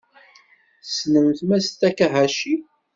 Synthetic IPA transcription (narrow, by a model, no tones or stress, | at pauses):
snəmθmæst̪ːækːæɦæʃi